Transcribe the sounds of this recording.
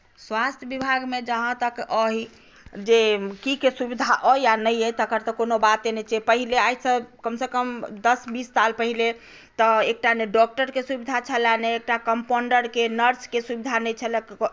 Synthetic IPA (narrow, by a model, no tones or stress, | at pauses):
swast̪ʰjəbibʱaɡmed͡ʒəɦãt̪əkəɦi | d͡ʒekikesubid̪ʱaʔəjjanəjəjt̪əɡəɾt̪əkonobat̪̚enɛt͡ʃɛpəɦileajsəbkəmsekəmd̪əsbisːalpəɦile | t̪əek̚ʈaneɖɔk̚ʈəɾkesubid̪ʱat͡ʃʰəlaneek̚ʈakəmpoɳɖəɾkenəɾskesubid̪ʱanɛjt͡ʃʰəlɛk